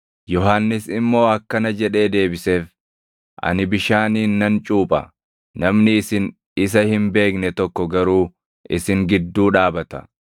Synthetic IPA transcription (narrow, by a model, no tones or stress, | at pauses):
jɔɦanːɪsɪmːo̞ːɐkːɐnɐd͡ʒɛᶑe̞ːd̪e̞ːbɪse̞ːf | ʔɐ̰nɪbɪʃaːniːnːɐnt͡ʃʼuːpʼɐ̰ | nɐmnɪɪsɪn | ɪs̬ɐhɪmbe̞ːknɛt̪ɔkːɔɡɐɾuː | ʔɪsɪŋɡɪd̪ːuːᶑaːbɐt̪ɐ̥